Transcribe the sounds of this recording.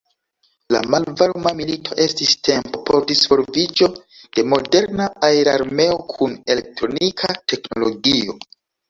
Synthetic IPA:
la̰malvalmamilitʰo̞ʔe̞stiste̞mpo̞po̞ɾdisvo̞ɾvid͡ʒo̞ | d̥e̞mo̞de̞ɾnaaeɾaɾme̞o̞kʰune̞le̞k̚tɾo̞nikʰate̞kno̞lo̞ɡio̞

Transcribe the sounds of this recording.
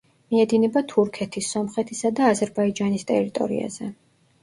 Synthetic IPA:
miɛd̪inɛbat̪ʰuɾkʰɛt̪ʰisːɔmχɛt̪ʰisad̪aːzɛɾbaid͡ʒanist̪ʼɛ̰ɾit̪ʼɔ̰ɾḭa̰z̥ɛ̰

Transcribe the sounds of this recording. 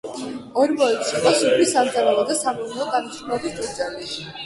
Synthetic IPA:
ɔɾmɔɛt̪siqʼɔsupʰlisamd̪zaɾaɔd̪asamɔɾnɛɔɡanɔslɔbisd͡ʒʼut̪sʼɛli

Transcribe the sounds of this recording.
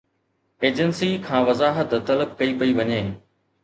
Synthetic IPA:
eːd͡ʑənsikʰãːʋɐzaːɦət̪t̪ɐləb̚kɐipɐiʋɐɲeː

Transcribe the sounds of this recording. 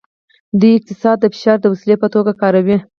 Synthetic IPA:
d̪ujɪq̚t̪ɪsɑd̪ːəfɪ̥ʃɑɾd̪əwasilepət̪oɡakɑɾawi

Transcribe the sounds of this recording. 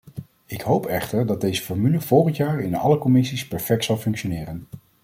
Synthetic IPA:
ɪkɦowpɛχtəɹdɑd̚ejzəfɔɹmyləv̥ɔlˠχəntjaːɹɪnɑ̰ləkɔmɪsispɛɹfɛk̚tsɑlˠfɵŋkʃonɪːɾən

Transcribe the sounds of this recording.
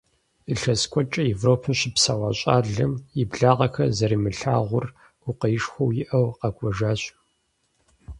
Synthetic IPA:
ɨɬɐskʷʼɔt͡ʃʼɐevroːpʰɐɕɪpsawɑɕʼaːɮɨmɪbɮaːʁɐxɐzɐɾiːmɨɬaːʁʷʊr | ʊqɐjɪʂxʷɔwjɪʔɐwqɐkʷʼɔʒaːɕ

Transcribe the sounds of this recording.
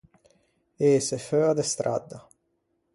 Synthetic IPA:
eːsɛføːad̪ɛst̪ɾʔa̰d̪ːa

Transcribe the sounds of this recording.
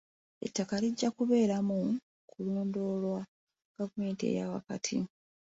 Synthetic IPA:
e̞̰tːakaliɟːakuβe̞ːɾamu | kʰuloːndo̞ːlwa | ɡ̥avume̞ːntiḛjawa̰katʰḭ

